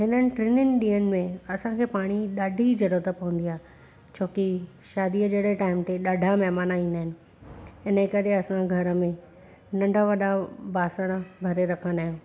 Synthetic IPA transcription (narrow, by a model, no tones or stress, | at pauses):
ɦɪnənɪ̆ʈɾɪnɪnɪ̆ɗiːənɪ̆mẽɐsãkʰeːpaːɽ̃iɗaːɖʱid͡ʑɐɾot̪əpɐʋə̃nd̪ijaːɦ | t͡ɕʰoːki | ʃaːd̪iəd͡ʑeɽeʈaːɪmt̪eɗaːɖʱamɛɦmaːnaĩːnd̪aɦɪnɪ̆ | ɦɪnəkɐɾeɐsãɡʱɐɾəmẽ | nɐ̃ɳɖʱaʋɐɗabaːsəɽ̃əbʱɐɾeɾɐkʰə̃nd̪aːɦɪjũː